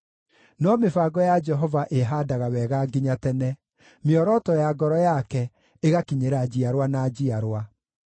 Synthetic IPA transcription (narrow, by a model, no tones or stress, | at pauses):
nɔmefaɡɔjad͡ʒɛɦɔvaʔeɦadaɣawɛɣaɡiɲatɛnɛ | meɔɾɔtɔjaɡɔɾɔjakɛ | eɣakiɲeɾad͡ʑiaɾwanad͡ʑiaɾwa